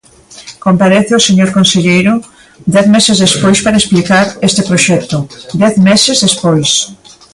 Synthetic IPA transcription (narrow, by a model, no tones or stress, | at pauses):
kompaɾeθeoseɲoɾkonseʎejɾʊ | d̪ɛθmesezðespojspaɾɐesplikaɾest̪epɾoʃɛk̚t̪ʊd̪ɛθmɛsezðespojs